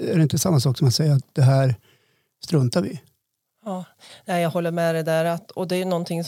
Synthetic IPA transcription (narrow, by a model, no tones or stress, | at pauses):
æɾɛɪnt̪əsamːasɑːksɔmat̪sɛjːəɾat̪̚d̪̥ɛɦæːɾ | st̪ɾɵnt̪aɾʋɪ | ɑː | nɛɪjɑːɡhɔlːəɾmɛːd̪ɛd̪æːɾat̪ɔd̪ɛæɾjɵnɔnːt̪ʰɪŋs